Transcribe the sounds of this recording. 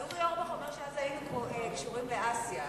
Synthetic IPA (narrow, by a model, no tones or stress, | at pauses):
ud̪ujoʁbaħomeʁʃeazajinukmoʔekiʃuʁimbeʔasja